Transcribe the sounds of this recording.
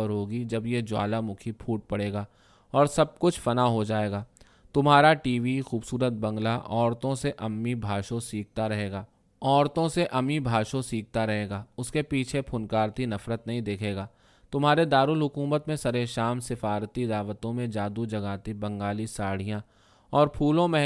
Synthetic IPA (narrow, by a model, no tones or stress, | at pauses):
ɾɦoːɡid͡ʒɐbjed͡ʒʊwa̰ːlamʊkʰipʰuːʈ̚pɐɽeːɡaː | ɔːɾsɐb̚kʊt͡ʃʰfɐnaɦod͡ʒaːeːɡaː | t̪ʊmɦaːɾaʈiːʋixuːbsuːɾət̪̚bɐ̃ŋɡlaʔɔːɾt̪õseʔɐmːibʱaːʃõsiːk̚t̪aɾɐɦeːɡaː | ɔːɾt̪õseʔɐmːibʱaːʃõsiːk̚ʰt̪aɾɐɦeːɡaːʊskepiːt͡ʃʰepʰʊnkaːɾt̪inɐfɾət̪nɐɦĩd̪eːkʰeːɡaː | t̪ʊmɦaːɾed̪aːɾulɦʊkuːmət̪mẽsɐɾeʃaːmsɪfaːɾt̪id̪aːʋət̪õmẽd͡ʒaːd̪ud͡ʒɐɡaːt̪ibɐ̃ŋɡaːlisaːɽ̤ijã | ɔːɾpʰuːlõmẽ